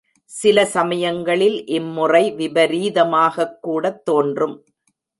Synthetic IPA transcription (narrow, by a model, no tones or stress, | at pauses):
sɪlɐsɐmɐjɐŋɡɐɭɪlʔɪmːʊrɐɪʋɪbɐɾiːðɐmaːɣɐkːuːɽɐt̪ːoːndrɯm